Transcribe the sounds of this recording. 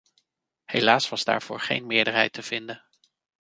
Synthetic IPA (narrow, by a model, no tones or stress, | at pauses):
hejlaːsʋɑzda̰ːɹv̥ʊːɹχḛjnmɪːɹdəɹɦɛjtəv̥ɪndə